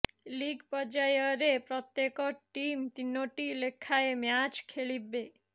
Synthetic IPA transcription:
liɡpɔd͡ʒajɔɾepɾɔt̪jekɔʈimt̪inːoʈilekʰːaemjat͡ʃkʰeɭibe

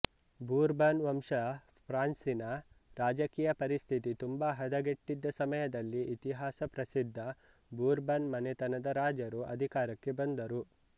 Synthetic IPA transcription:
buːɾbɐnʋɐmʂɐ | pʰɾaːnsinɐɾaːd͡ʒɐkiːjɐpɐɾist̪ʰit̪it̪umbaɦɐd̪ɐɡeʈːid̪ːɐsɐmɐjɐd̪ɐlːiʔit̪iɦaːsɐpɾɐsid̪ʱːɐ | buːɾbɐnmɐnet̪ɐnɐd̪ɐɾaːd͡ʒɐɾuɐ̰d̪ʱikaːɾɐkːe̞bɐnd̪ɐɾu

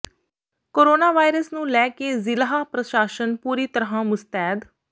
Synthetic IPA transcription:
koːɾoːnaːʋaːiɾəsnũːlɛːkeːzɪlaːpɾəʃaːʃənpuːɾiːt̪əɾɦãːmʊst̪ɛːd̪

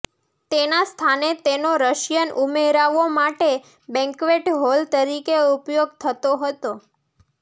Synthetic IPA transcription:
t̪enast̪ʰanet̪enoɾəʃjənʔumeɾaʋomaʈe | bɛ̃ŋkʋeʈɦolt̪əɾikeupjoɡ̚t̪ʰət̪oɦət̪o

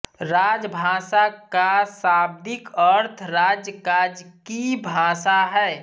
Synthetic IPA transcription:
ɾaːd͡ʒbʱaːsakasaːb̚d̪ɪkəɾt̪ʰɾaːd͡ʒjəkad͡ʒkibʱaːsaɦɛː

